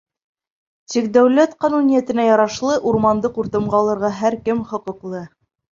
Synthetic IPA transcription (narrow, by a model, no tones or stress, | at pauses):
t̪ik̚d̪æwlæt̪qɑnunʲijæt̪ɘ̆næjɑɾɑʃlˠɤʔuɾmɑnd̪ɤquɾt̪ɤ̆mɢɑːlˠɤ̆ɾʁɑɦæɾkɘmχɤ̆qɤ̆qlˠɤ